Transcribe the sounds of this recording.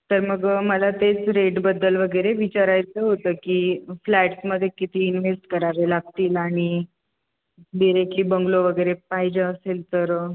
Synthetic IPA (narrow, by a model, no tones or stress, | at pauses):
t̪əɾməɡməlat̪et͡sɾeʈbəd̪ːəlʋəɡəjɾeʋit͡ɕaɾajt͡səɦot̪əːkiflɛʈsməd̪ʱːjekit̪iːnʋesʈkəɾaʋelaɡ̚t̪iːlaɽ̃i | ɖiɾek̚ʈliːbəŋɡloʋəɡəjɾepaɦid͡ʑaəselt̪əɾ